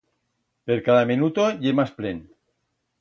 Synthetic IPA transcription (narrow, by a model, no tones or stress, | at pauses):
peɾkaðaminut̪oʝemasplen